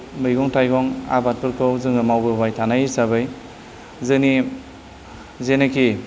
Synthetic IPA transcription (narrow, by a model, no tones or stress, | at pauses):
mɯjɡɔŋtʰajɡɔŋa̰bat̚pɯɾkʰɯwzɯŋɯmawbɯbajtʰanajisaβɯj | zɯni | zenɯki